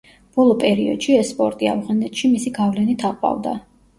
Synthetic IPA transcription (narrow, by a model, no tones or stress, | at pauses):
b̥ɔlˠɔpʼɛɾiɔ̰d̪̥ʃiɛsːpʼɔɾt̪ʼia̰vʁanɛt̪ʼʃimisiɡavlɛnit̪ʰaqʼwa̰vd̪a̰